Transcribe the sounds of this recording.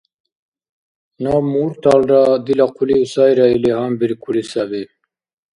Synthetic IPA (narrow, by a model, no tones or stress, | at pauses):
namuɾt̪aːlɾad̪ilaqʰuliusaːjɾailiɦambiɾkulisabe